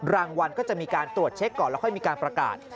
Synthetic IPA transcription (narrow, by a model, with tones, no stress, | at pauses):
ɾaː˧ŋwa˧nkɔː˥˩t͡ɕa˨˩ʔmiː˧kaː˧nt̪ɾu˨˩ət̪̚t͡ɕʰe˦˥kːɔː˨˩nlɛ˦˧˥kʰɔ˥˩jmiː˧kaː˧npɾa˧ka̰ː˨˩t̪̚